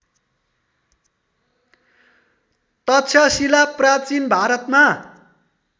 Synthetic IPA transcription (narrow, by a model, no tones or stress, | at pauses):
t̪ʌt̪t͡sʰʌsilaprat͡sinbʱaɾʌt̪ma